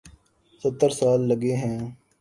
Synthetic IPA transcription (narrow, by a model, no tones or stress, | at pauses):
sət̪ːəɾsaːlːəɡeːɦɛ̃ː